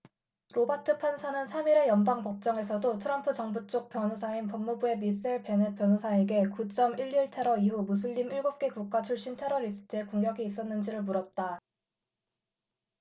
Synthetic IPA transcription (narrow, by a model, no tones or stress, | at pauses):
ɾobatʰɯpʰansʰanɯnsʰamiɾe̞jʌnbaŋpʌk̚t͡ɕ͈ʌŋe̞sʰʌdotʰɯɾʌmpʰɯt͡ɕʌŋbut͡ɕ͈ok̚pjʌnosʰainpʌŋmubue̞mis͈eɭpjenepjʌnosʰae̞ɡe̞kut͡ɕ͈ʌmiʎːiɭtʰe̞ɾʌiɦumus̬ʰɯʎːimiɭɡop̚k͈e̞kuk̚k͈at͡ɕʰuɭɕ͈intʰe̞ɾʌɾisʰɯ̥tʰɯe̞koŋɡjʌɡiːs͈ʌnːɯnd͡ʑiɾɯɭmuɾʌt̚t͈a